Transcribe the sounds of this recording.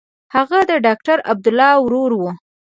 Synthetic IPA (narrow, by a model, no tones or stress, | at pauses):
haɣad̪əɖɑk̚ʈaɾab̚d̪ʊlːɑwɾoɾwu